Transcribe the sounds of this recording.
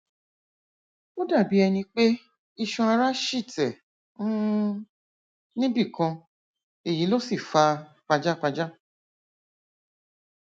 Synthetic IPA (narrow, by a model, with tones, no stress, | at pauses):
o˦da˦˨bi˨˦ɛ˧nĩ˧k͡pe˦ | i˧ʃũ˧a˧ɾa˦ʃi˦˨tɛ˨˦ | nĩ˦bi˦˨kã˧ | e˨ji˨˦lo˦si˦˨fa˧ | k͡pa˧d͡ʒa˦k͡pa˧d͡ʒa˦